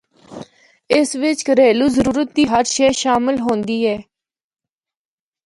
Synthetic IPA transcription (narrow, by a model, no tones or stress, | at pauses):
ɪsʋɪt͡ʃkəɾeːluːzəɾuːɾət̪̚d̪iːɦəɾʃɛːʃaːmɪlɦõːnd̪iːɛː